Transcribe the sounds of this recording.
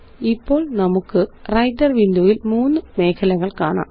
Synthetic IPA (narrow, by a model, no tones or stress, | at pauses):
ipːo̞ːɭnɐmukːɨrɐjd̪ɐrʋinduːʋilmuːnːɨme̞ːkʰɐlɐɣɐɭkaːɳa̰ːm